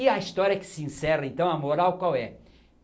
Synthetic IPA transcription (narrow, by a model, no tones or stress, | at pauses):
iɐist̪ɔɾiɐkɪ̥sɪĩsɛrɐẽnt̪ɐ̃w̃ɐmoɾawkwawɛ